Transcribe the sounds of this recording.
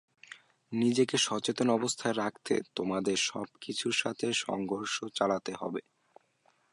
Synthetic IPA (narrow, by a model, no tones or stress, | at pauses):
nid͡ʑekeʃɔt͡ɕet̪onɔbost̪ʰaeɾak̚ʰt̪ḛt̪omad̪eɾʃɔ̰b̚kit͡ɕʰuɾʃat̪ʰeʃɔ̰ŋɡʱoɾʃot͡ɕalat̪eɦɔ̰be